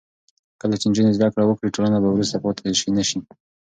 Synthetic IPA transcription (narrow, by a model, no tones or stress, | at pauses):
kəlat͡ʃend͡ʒunezd̪akɽawəkɽiʈolanabawɾust̪apot̪ʰaiʃinaʃi